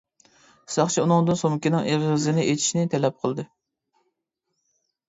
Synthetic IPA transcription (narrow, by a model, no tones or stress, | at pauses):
sɑχt͡ʃʰiunɨŋd̪ɨnsomkʲinɪŋevʁɪzɪnɪʔet̪ʰi̥ʃnɪt̪ʰɛlɛp̚qʰəlˠd̪ɨ